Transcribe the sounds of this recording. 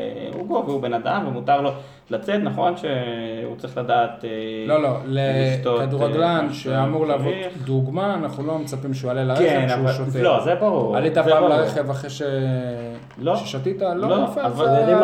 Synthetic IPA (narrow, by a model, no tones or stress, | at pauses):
uɡoveubenad̪amvemutaʁlo̞ | lat͡set̪naχo̞nʃeut͡saʁiχladaːt̪elo̞lo̞leʃt̪okad̪uʁaɡlanʃeamuʁleavod̪d̪uɡmaːnaχnulo̞met͡sapimʃeualelaʁeenuʃot̪elozebaʁuuʁalit̪apaːmlaʁeχevaχʁeʃe | loʃeʃatitaloloafaval